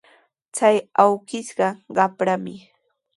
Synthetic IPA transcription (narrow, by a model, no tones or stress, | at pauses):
t͡sajawɢɪʃɢɑɢɑpɾamɪ